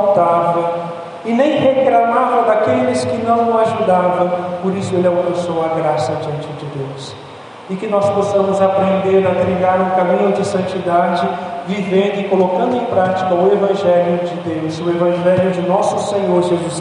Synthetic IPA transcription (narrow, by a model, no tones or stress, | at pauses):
t̪avɐ | ɪnẽj̃heklamavɐd̪akelɪskɪnɐ̃w̃ʊaʒud̪avɐ̃w̃poɾisʊelɪɛakpɐ̃sowɐaɡɾasɐd͡ʒiɐ̃nt͡ʃɪd͡ʒɪd̪ews | ɪkɪnɔsposɐ̃mʊzapɾẽnd̪eɾɐtɾiɡaɾũkamĩɲʊd͡ʒɪsɐ̃nt͡ʃid̪ad͡ʒɪvivẽnd̪ʊɪkolokɐ̃nd̪ʊẽj̃pɾat͡ʃi̥kɐʊevɐ̃ʒɛljʊd͡ʒɪd̪ewsʊevɐ̃ʒɛljʊd͡ʒɪnɔsʊsẽɲoɾʒezus